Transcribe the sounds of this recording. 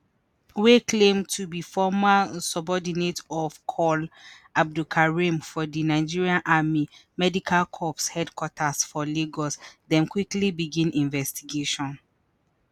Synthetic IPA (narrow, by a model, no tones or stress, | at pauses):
weklẽmtʰubifɔmasɔbɔdinetɔvkʰɔl | ab̚dukʰaɹimfɔdinaɪd͡ʒiɹiãnʔamimɛdikʰalkʰɔpshɛdkwɔtʰasfɔliɡɔsdɛ̃nkwiklibiɡĩnĩnvɛstiɡeʃɔ̃n